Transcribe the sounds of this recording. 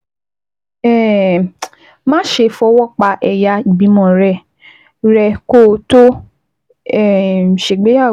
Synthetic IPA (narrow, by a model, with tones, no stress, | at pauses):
ɛ˦˨ | mã˦ʃe˧fɔ˧˦wɔ˦k͡pa˧ʔɛ˨ja˧˦i˨bi˨˦mɔ̃˦˨ɾɛ˦˨ | ɾɛ˧ko˦˨˦to˦ | ɛ˨ʃe˨ɡ͡be˨˦a˦˨